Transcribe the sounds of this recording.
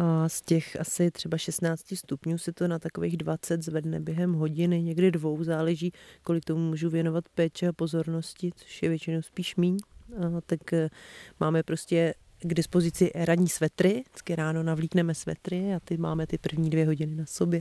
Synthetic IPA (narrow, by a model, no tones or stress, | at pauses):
ʔascɛxʔasɪt̪r̝̥ɛbaʃɛst̪naːt͡scɪst̪upɲuːsɛt̪o̞nat̪ako̞vejɣdvat͡sɛt̪zvɛdnɛbjɛɦɛmɦo̞ɟɪnɪɲɛɡdɪdvo̞wzaːlɛʒiːko̞lɪkt̪omumuːʒuvjɛno̞vat̪pɛːt͡ʃɛapozo̞ɾno̞scɪt͡so̥ʃjɛvjɛt͡ʃɪnowspiːʃmiːɲt̪ak | maːmɛpɾo̞scɛ | ɡdɪspo̞zɪt͡sɪʔɾaɲiːsvɛt̪ɾɪt͡skɪɾaːno̞navliːknɛmɛsvɛ̰t̪ɾɪat̪ɛma̰ːmɛt̪ɪpr̩vɲiːdvjɛɦoɟɪnɪnaso̞bjɛ